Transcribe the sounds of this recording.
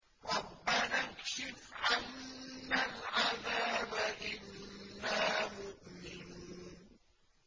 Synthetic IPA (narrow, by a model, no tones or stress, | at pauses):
ɾˤɑbːanakʃɪfʕʔanːalʕaðaːmaʔɪnːaːmʊʔmɪnuːn